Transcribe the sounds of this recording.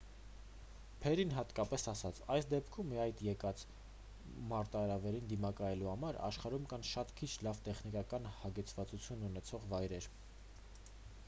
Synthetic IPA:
pʰɛɾinɦɑt̪kɑpɛsɑsɑt͡sʰɑjsd̪ɛpkʰumːiɑjd̪jɛkɑt͡s | mɑɾt̪ɑɾɑvɛɾind̪imɑkɑjɛluhɑmɑɾɑ̰ʃχɑɾumkɑnʃɑt̪kʰit͡ʃʰlɑvt̪ɛχnikɑkɑnhɑɡɛt͡sʰvɑt͡sut͡sʰjununɛt͡sʰɔʁvɑjɾɛɾ

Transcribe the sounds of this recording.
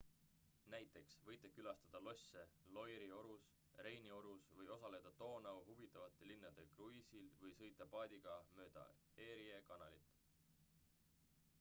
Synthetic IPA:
næjt̪ːˑe̞ksvɤjt̪ːˑekylɑst̪ɑd̪̥ɑlo̞sʲːe̞lo̞jɾio̞ɾus | ɾe̞jnio̞ɾusvɤjo̞sɑle̞d̪̥ɑt̪o̞ːnɑuɦuvit̪ːˑɑvɑt̪ːˑe̞linːɑd̪̥e̞kruisilvɤjsɤ̞jt̪ːˑɑpɑːd̪̥ʲiɡ̥ɑmø̞ːd̪̥ɑ̰ | e̞ːɾiekɑnɑlit̪ːˑ

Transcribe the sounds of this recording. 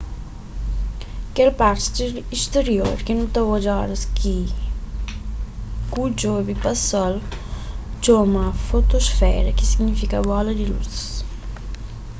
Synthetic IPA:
kelpaɾst̪eɾist̪eɾjoɾkinũt̪ɔwad͡ʒɔɾɐskʰi | kud͡ʒobipasɔl | d͡ʒomafot̪osfɛ̰ɾɐkisiɡnifikabɔlɐd̪ilṵθ

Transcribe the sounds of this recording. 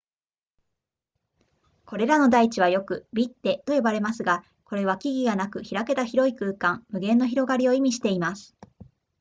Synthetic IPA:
ko̞ɾe̞ɾano̞d̪ait͡ɕiβ̞ajo̞kɯ̟bʲit̪ːe̞t̪o̞jo̞baɾe̞masɨɡa | ko̞ɾe̞β̞akʲiɡʲiɡanakɯ̟çiɾake̞t̪açiɾo̞ikɯːkãmmɯ̟ɡẽ̞nːo̞çiɾo̞ɡaɾʲio̞imʲiɕi̥t̪e̞imasɨ̥

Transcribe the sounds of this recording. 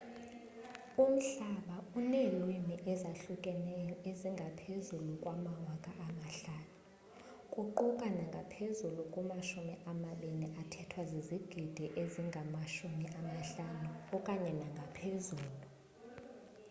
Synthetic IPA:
um̩ɬaɓaunelwiniʔɛzaɬukʼɛnɛeziŋɡʱapʰezulukʼwamawakʼaʔamaɬaːnu | kʼuǃukʼanaŋɡʱapʰezulukʼumaʃumiʔamaɓeniʔatʰɛtʰwaziziɡ̥ʱid̥ʱɛʔeziŋɡʱamaʃumiʔamaɬanuɔkʼaɲɛnaŋɡʱapʰezuːlu

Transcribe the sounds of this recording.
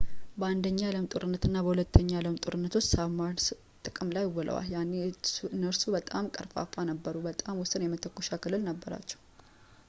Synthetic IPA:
bəand̪əɲːaaləmt̪ʼoɾɨnːət̪ɨnːabəhulət̪ʰːəɲːaaləmt̪ʼoɾɨnːət̪ʰo̞t͡ʃːsamans | t̪ʼɨkʼɨmlajɪwːɔlʔə̰wa̰ljanːenːəɾsubət̪ʼamkʼəɾfa̰fanəbːəɾubət̪ʼamwʊsɨnjɛmət̪ʰəkːoʃakɨlːɨlnəbːəɾa̰t͡ʃːɛ̥w

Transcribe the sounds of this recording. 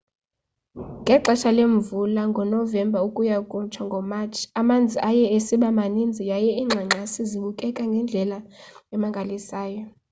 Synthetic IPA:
ŋɡʱɛǃɛʃaleɱvulaŋɡʱɔnɔvɛmbʱaukʼujakʼunt͡ʃʰwaŋɡʱɔmat͡ʃʰiamand͡zʱiʔajɛesiɓamanind͡zʱijajɛiːŋ͡ǁʱaŋ͡ǁʱasiziɓukʼɛkʼaŋɡʱɛnd͡ɮʱɛlaɛmaŋɡʱalisaːjɔ

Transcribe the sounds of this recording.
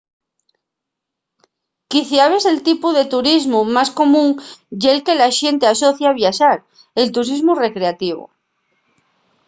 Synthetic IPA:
kiθjaβ̞ese̞lt̪ipuðe̞t̪uɾizmumasko̞mũŋjelke̞laʃe̞nt̪easo̞θjaβ̞jaʃaɾ | e̞lt̪uɾizmure̞kɾeat̪iβ̞o̰

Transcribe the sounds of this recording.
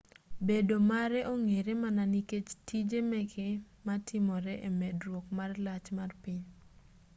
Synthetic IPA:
bedomaɾɛʔoŋeɾemananiket͡ʃtid͡ʒemɛkʰɪ | matʰɪmɔɾɛʔemɛdrwɔkmarlat͡ʃmarpɪɲ

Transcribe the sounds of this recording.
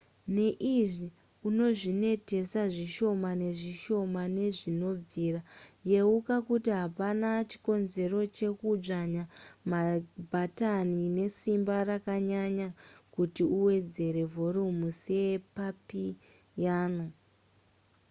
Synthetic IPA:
ne̞ʔiʐi | uno̞ʐine̞te̞saʐiʃo̞mane̞ʐiʃo̞mane̞ʐino̞b͡viːraje̞ukakutiɦapanat͡ʃi̥ko̞nze̞ɾo̞t͡ʃe̞kud͡ʐaɲamabʱatanine̞simbarakaɲaɲakutiuwe̞d͡ze̞ɾe̞vʱo̞ɾumusepapi | jaːno̞

